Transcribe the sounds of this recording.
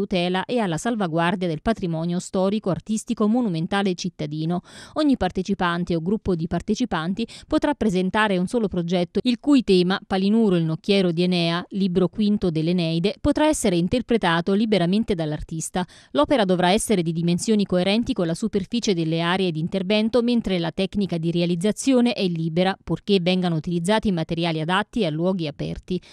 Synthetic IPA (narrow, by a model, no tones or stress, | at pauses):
ut̪ɛːlaʔealːasalvaɡward̪jad̪elpat̪ɾimɔːnjost̪ɔːɾikoart̪ist̪ikomːonument̪aːlet͡ʃit̪ːad̪iːnoɔɲːipart̪et͡ʃipant̪eoɡɾupːod̪ipart̪et͡ʃipant̪ipot̪ɾapːɾezent̪aːɾeunsɔːlopɾod͡ʒɛt̪ːoilkujt̪ɛːmapalinuːɾoilnokːjɛːɾod̪ienɛːaliːbɾokwint̪od̪elːenɛjd̪epot̪ɾaɛsːeɾeint̪erpɾet̪aːt̪olibeɾament̪ed̪alːart̪ist̪a | lɔːpeɾad̪ovɾaɛsːeɾed̪id̪imensjoːnikoeɾɛnt̪ikonlasuperfiːt͡ʃed̪elːeaːɾeed̪iːnt̪ervɛnt̪oment̪ɾelat̪ɛknikad̪iɾealid̪zːat̪sːjoːneʔɛlːiːbeɾapurkevɛŋɡanout̪ilid̪zːaːt̪imat̪eɾjaːliad̪at̪ːiealːwɔːɡiapɛ̰rt̪i